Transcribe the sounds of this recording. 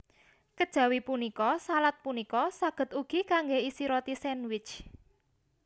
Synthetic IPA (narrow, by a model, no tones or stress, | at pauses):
kəd̥ʒ̥ä̤wipunikɔsalat̪̚punikɔsaɡ̥ə̤t̪uɡ̥ikaŋɡeisiɾɔt̪isɛnwɪt͡ʃ